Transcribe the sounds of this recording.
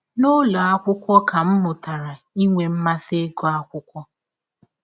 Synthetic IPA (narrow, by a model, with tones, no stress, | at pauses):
no˦lo˨a˦kʷʊ˦kʷɔ˦ka˨m̩˦mʊ˨ta˨ɾa˨ | i˦ŋʷe˨m̩˦ma˦se˦ɡo˦a˦kʷʊ˦kʷɔ˦